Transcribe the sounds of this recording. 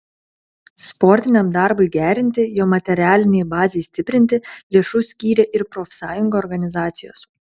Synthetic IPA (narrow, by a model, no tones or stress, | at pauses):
spɔɾʲt̪ʲɪnʲɛmd̪ɑɾbʊɪɡʲæːɾʲɪnʲt̪ʲɪjoːmɐt̪ʲɛɾʲæːlʲɪnʲɛɪbɑːzʲesʲt̪ʲɪpʲɾʲɪnʲt̪ʲɪlʲiɛʃʊsʲkʲiːɾʲeːʔɪɾpɾoːfʲsɑːjʊŋɡoːɾɡɐnʲɪzɑːt̪sʲɪjo̰ːs